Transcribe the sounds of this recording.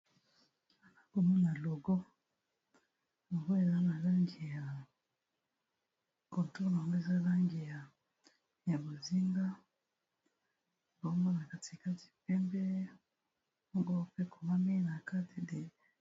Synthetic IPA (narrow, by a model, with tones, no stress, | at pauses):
a˨za˦ko˨mu˦na˨lo˨ɡo˦ | lo˨ŋɡo˦e˨za˦na˨la˦ŋɡi˨ja˨ | ko˨nto˦n˨a˨ŋɡo˦e˦za˦la˦ŋɡi˨ja˨ | ja˨bo˨zi˦ŋɡa˦ | bo˦ŋɡo˦na˨ka˦ti˨ka˦ti̥˨pɛ˦mbɛ˦ | o˦ŋɡo˦pe˦ko˨ma˦mi˦na˨ka˦ti˨de˨